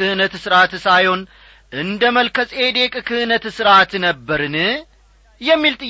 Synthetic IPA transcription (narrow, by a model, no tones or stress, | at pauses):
ɨhɨnət̪sɨɾat̪sajho̞n | ʔɨnd̪əməlkʰəsʼe̞d̪e̞kʼkʰɨhɨnət̪sɨɾat̪nəbːəɾɨnɨ | jɛmːilt̪ʼɨ